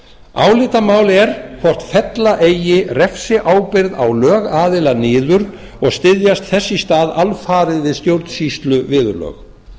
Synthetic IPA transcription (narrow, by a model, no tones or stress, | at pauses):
aːwlɪːt̪amaːwlɛɾ̥kʰvɔr̥t̪fɛt̪laʔejɪrɛfsɪʔaːwpɪɾða̰wlœːɣaːðɪlanɪːðʏɾ | ɔɣst̪ɪðjast̪θɛsːist̪aːðalfaːɾɪðvɪst̪jowɾt̪n̥sist̪lʏvɪːðʏlœ̰ɣ